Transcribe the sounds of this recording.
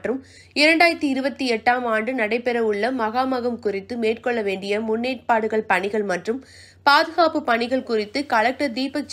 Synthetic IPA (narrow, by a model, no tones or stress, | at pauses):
ʈrɯm | ɪɾɐɳɖaːjɐɾt̪iɪɾɯbɐt̪ːiɛʈːaːmaːɳɖɯnɐɽɐɪpːɛɾɐʊɭːɐmɐɣaːmɐɣɐmkʊrɪt̪ːɯmeːʈkɔɭːɐʋeːɳɖɪjɐmʊnːeːʈ̚paːɽɯɣɐɭpɐɳɪɣɐɭmɐʈrɯm | paːðɯɣaːpɯpɐɳɪɣɐɭkʊrɪt̪ːɯkɐlɐk̚ʈɐɾd̪iːpɐkt͡ʃ